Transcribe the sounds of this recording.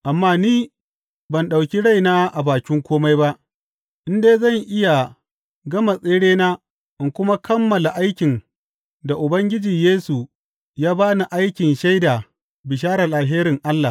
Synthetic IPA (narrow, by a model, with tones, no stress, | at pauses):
ʔa˨mːaː˦niː˦ | bɐ˨nɗa˨wkʲi˦ɽa˦jnaː˦ʔa˨baː˨kʲɪ˦ŋkʷoː˦ma˦jba˦ʔ | ʔɪ˦ndeː˦zɐ˦˨ŋʔɪ˦ja˨ | ɡɐ˦ma˨sʼeː˦ɽeː˦naː˦ | ʔɪ˨ŋkʷʊ˦ma˦kɐ˦mːɐ˨la˨ʔa˦jkʲɪ˨n | da˨ʔʊ˨bɐ˦ŋɡʲɪ˦d͡ʒiː˨jeː˦su˨ | jaː˦baː˦na˨ʔa˦jkʲɪ˨nʃa˦jda˨ | bɪ˨ʃ̬aː˦ɾɐ˨laː˨ɦeː˦ɾɪ˨ŋʔa˦lːa˨